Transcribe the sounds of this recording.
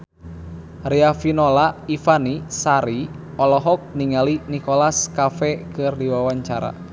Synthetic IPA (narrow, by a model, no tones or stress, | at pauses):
riafinɔlaifanisaɾi | ɔlɔɦɔk̚niŋalinikɔlaskafɛkɨrdiwawaɲt͡ʃaɾa̰